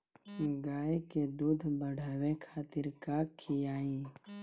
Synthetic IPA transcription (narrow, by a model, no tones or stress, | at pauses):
ɡaːeked̪uːd̪ʱbəɽ̤aːwekʰaːt̪ɪɾkakʰijaːĩː